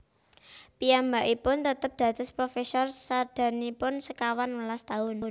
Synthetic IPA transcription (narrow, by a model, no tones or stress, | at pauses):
pijambaʔipʊnt̪ət̪əp̚d̪̥ä̤t̪ʊspɾofɛsɔrsad̪̥ä̤nipʊnsəkawanwəlast̪aʊn